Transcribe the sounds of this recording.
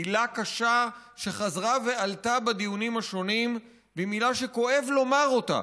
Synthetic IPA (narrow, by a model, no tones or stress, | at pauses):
ilakaʃaʃe̞χazʁave̞altabad̪ijunimhaʃo̞nim | bimilaʃe̞ko̞e̞vlo̞maʁo̞ta̰